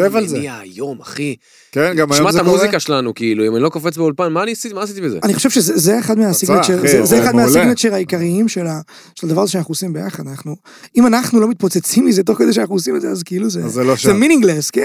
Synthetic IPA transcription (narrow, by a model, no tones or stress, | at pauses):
evalzeiajo̞ma̰χi | kenɡamjʃmaamuzikaʃelanukiiluimanilokofet͡sbeolpanmaːniasiimaːsit̪ibezḛaniχoʃevʃezezeeχad̪measiɡnet͡ʃeʁzezeːad̪mealiɡnet͡ʃʃeʁaikaʁiimʃela | ʃelad̪avaʁazeʃeanaχnuosimbejaχad̪anaχnu | imanaχnulo̞mit̪̚po̞t͡set͡simizet̪̬o̞χkedeʃeanaχnuosimed̪zeazkeiluzeeloʃzeminĩŋɡleske